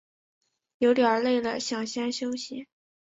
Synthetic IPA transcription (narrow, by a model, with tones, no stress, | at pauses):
jo˧˥ʊljɑ˨˧˥le˥˩ɪlə˨˩ɕjɑ˥˩ŋɕjɛ˥nɕjo˥ʊɕi˨˩